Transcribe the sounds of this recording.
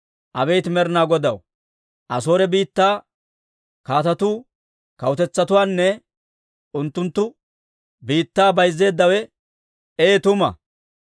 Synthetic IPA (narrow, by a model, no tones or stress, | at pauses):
ʔɐbejt̪mɛɾnaːɡɔd̪ɐw | ʔɐso̞ːɾɛbiːt̪ːaː | kaːt̪ɐt̪uː | kɐwʊt̪ɛt͡sːɐt̪ʊwaːnːɛ | ʊnt̪ːʊnt̪ːʊ | biːt̪ːaːbɐjzːe̞ːd̪ːɐwɛ | eːt̪ʊmɐ̰